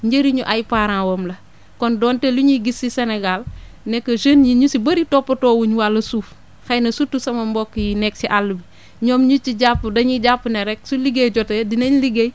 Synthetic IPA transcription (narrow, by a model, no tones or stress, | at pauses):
ɲɟeɾiɲuʔajpaːɾãːwoːmlɐ | kɔndɔːnteluɲiɡisːiseneɡal | nekːɐʃənjiɲusibɐɾitopːɐtoːwuɲwalːɐsuːf | xajnɐsutːusɐmɐmbɔkːjinɛk̚siʔalːubi | ɲɔːmɲut͡ʃiɟapːudɐɲiɟapːuneɾɛksuliɡejɟɔtedinɐɲliɡej